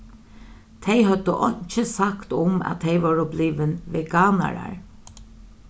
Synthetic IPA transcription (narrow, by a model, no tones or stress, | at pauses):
t̪ʰejɦœd̪əʔɔɲt͡ʃəsakt̪ʊmæ̰t̪ʰːejʋɔːɹʊbliːʋɪnʋɛɡaːna̰ɹa̰ɹ